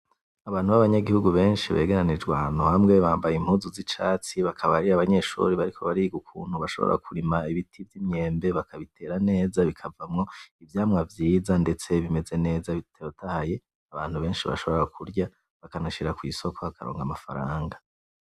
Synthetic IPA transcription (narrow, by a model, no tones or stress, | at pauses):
aβaːn̥huβaβaɲaɡihuɡuβe̞ːnʃiβe̞̰ːɡeɾanid͡ʒɡwahanuhamŋe̞βaːmbajim̥huːzuzit͡ʃaːt͡siβakʰaβaɾiaβaɲe̞ʃṵɾiβaɾikʰo̞βaɾiɡukʰṵːn̥huβaʃo̞βo̰ɾa̰kʰuɾimaiβitʰivjimɲe̞ːmbe̞βakaβitʰe̞ɾane̞ːzaβikʰavamŋo̞ivjaːmŋavjiːzande̞t͡se̞βime̞ze̞ne̞ːzaβiteotʰahaje̞ | aβaːn̥huβe̞ːnʃiβa̰ʃo̞βooɾakʰuɾɟa | βakanaʃiɾakwiːso̞kʰoβakʰaɾoːŋɡamafa̰ɾaːŋɡa